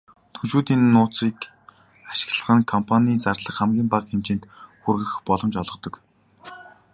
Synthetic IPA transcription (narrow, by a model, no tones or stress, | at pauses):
t̪ʰɵt͡ɕuːt̪iːnːʊːt͡siːk | aʃɪ̥̆kɮə̆χə̆ŋkʰɔmpʰaniːt͡sarɮə̆χχæmɡʲiːmpaqxemt͡ɕĕːn̥t̪xurɣɘ̆xpɔɮɞ̆mt͡ɕɔɮʁɞ̆t̪ɞ̆k